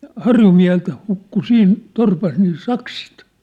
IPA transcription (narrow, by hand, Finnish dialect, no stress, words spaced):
hɑrjumiæ̝helt hukːu siːn torpɑs niː sɑksit